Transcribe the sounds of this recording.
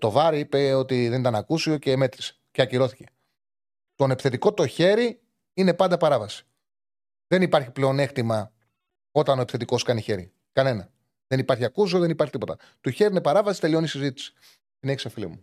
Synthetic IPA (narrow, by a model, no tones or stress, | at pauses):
t̪o̞vɐɾiipe̞o̞t̪iðenit̪ɐnɐkusioceːme̞t̪ɾise̥ceɐciɾo̞θice̞̥ | t̪o̞nepi̥θe̞t̪iko̞t̪o̞çe̞ɾi | ine̞pɐnd̪ɐpɐɾɐvɐsi̥ | ðe̞nipɐɾçipleo̞ne̞xt̪imɐ | o̞t̪ɐno̞epi̥θet̪iko̞skɐniçe̞ɾḭ | kɐne̞nɐ | ðe̞nipɐɾçiɐkus̬ioðe̞nipɐɾçit̪ipot̪ɐ | t̪uçe̞ɾiinepɐɾɐvɐsi̥t̪e̞lio̞nisizit̪i̥si̥ | sineçisefilḭmu